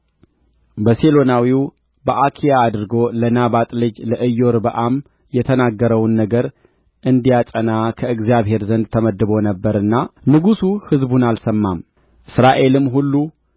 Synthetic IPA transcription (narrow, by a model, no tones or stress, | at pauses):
bəselo̞nawiw | bəʔakʰijaːd̪ɨɾɡo̞lənaβat̪ʼlɨd͡ʒləʔɨjːo̞ɾbəʔam | jɛt̪ʰənaɡːəɾəwnːəɡəɾ | ʔɨnd̪ijatʼənakʰəɨɡzijaβɦe̞ɾzənd̪̚t̪ʰəməd̪ːɨβo̞nəbːəɾɨnːanɨɡusuhɨzbunalsəmːam | ʔɨsɾaʔe̞lɨmːɦulːu